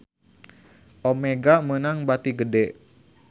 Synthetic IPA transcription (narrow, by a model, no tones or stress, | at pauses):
ʔomeɡamənaŋbat̪iɡədɛʔ